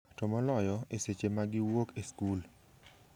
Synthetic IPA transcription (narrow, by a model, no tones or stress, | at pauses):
tɔmɔlɔjɔeset͡ʃemaɡɪwokeskul